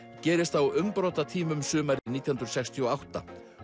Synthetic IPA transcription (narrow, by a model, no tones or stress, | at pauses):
cɛːɾɪst̪θawʏmpɾɔːt̪at̪ʰiːmʏmsʏːmaɾɪniːt̪ihʏnɾʏsɛkst̪ʰiɔawht̪a̰